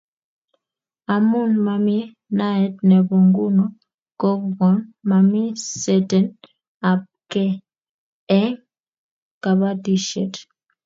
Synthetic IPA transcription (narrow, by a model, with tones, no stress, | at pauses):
a˨mu˦nma˨mi˦ | na˦ɛ˦tnɛ˨bo˨ŋɡu˦no˦ | ko˦kɡɔ˨˦nma˨mi˦sɛ˦tɛ˨n | a˨p̚ | kɛ˦ | ɛ˦ŋ | ka˨βa˦di˦ʃɛ˨t